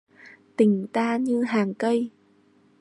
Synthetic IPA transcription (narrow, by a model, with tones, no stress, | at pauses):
t̪ï˨˩ŋ̟t̪aː˧ɲɨ˧ɦaː˨˩ŋkə˧j